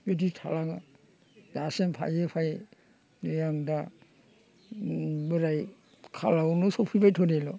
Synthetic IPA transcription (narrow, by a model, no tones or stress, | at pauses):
beditʰa̰laŋa | d̥asɛmpʰa̰jepʰaj | nɔjaŋda | bɯɾaj | kʰa̰lawnɔsɔpʰibajtʰɔdelɔ